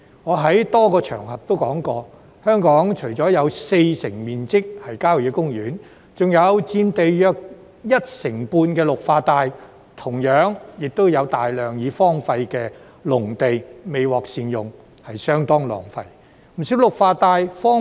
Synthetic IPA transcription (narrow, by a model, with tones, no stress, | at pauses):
ŋɔː˨˧ɦɐ˨˥jt̪ɔː˥kɔː˧t͡ʃʰœ̰ː˨˩ŋhɐ˨p̚t̪o˥wkɔː˨˥ŋkɔː˧ | hœː˥ŋkɔː˨˥ŋt͡ʃʰɵ˨˩jt͡sɔː˨˥jɐ˨˧wse˧jsɪ˨˩ŋmiː˨nt͡sɪ˥k̚hɐ˨˩jkaː˥wji˨˧kʊ˥ŋjyː˨˥n | t͡sʊ˨ŋjɐ˨˧wt͡siː˧nt̪e˨jjœː˧k̚ | jɐ˥t̚sɪ˨˩ŋpuː˧nkɛː˧lʊ˨k̚faː˧t̪aː˨˧j | t̪ʰʊ˨˩ŋjœː˨˥ŋjɪ˨k̚t̪o˥wjɐ˨˧wt̪aː˨jlœː˨˩ŋjiː˨˧fɔː˥ŋfɐ˧jkɛː˧ | lʊ˨˩ŋt̪e˨jme˨jwɔː˨k̚siː˨˧njʊ˨ŋ | hɐ˨jsœː˥ŋt̪ɔː˥ŋlɔ̰ː˨˩ŋfɐ̰˧j | m̩˨˩siː˨˧˥wlʊ˨k̚faː˧t̪aː˨˧jfɔː˥